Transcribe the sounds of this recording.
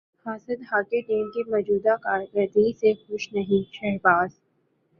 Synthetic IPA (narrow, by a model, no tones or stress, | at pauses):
haːsəd̪ɦaːkeɖeːnkimɔːd͡ʒuːd̪akaːɾkəɾt̪isexʊʃnɐɦĩʃɛɦbaːz